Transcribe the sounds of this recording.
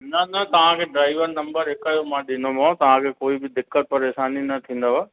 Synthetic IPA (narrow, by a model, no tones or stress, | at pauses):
nɐnɐt̪ɐʋ̤ãkʰeːɖɾaːɪʋəɾnɐ̃mbəɾɦɪkaːjomãːɗɪnomõt̪ɐʋ̤ãkʰeːkoːibɪd̪ɪkːət̪̚pɐɾeːʃaːninɐt̪ʰĩːn̆d̪aʋaː